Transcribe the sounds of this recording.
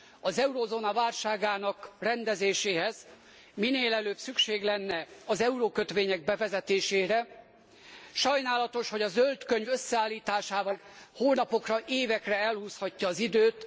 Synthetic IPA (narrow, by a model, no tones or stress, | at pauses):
ɒzɛuɾozoːnɒvaːlʃaːɡaːnɒkrɛnd̪ɛzeːʃeːɦɛz | mineːlɛløːbsykʃeːɡlɛnːɛɒzɛuɾoːkøt̪ʋeːɲɛɡ̚bɛvɛzɛt̪eːʃeːɾɛ | ʃɒjnaːlɒt̪o̞ʃho̞ɟɒzølt̪køɲvøsːɛaːlːiːt̪aːʃaːvɒlhoːlnɒpo̞krɒʔeːvɛkrɛɛlhuːshɒcːɒːzid̪øːt̪